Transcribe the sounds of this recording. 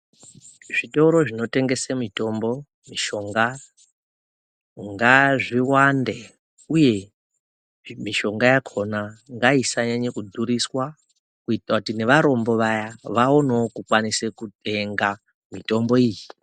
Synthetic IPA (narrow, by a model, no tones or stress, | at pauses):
ʐ̥itoɾo̞ʐino̞te̞ŋɡe̞semito̞mbo̞ | miʃo̞ŋɡa | ŋɡaʐiwande | uje̞ | miʃo̞ŋɡajakʰo̞naŋɡaisaɲaɲekudʱuɾiswa | kuitrakutine̞ʋaɾo̞mbo̞ʋajaʋaonookukwanisekute̞ŋɡa | mito̞mbo̞iːji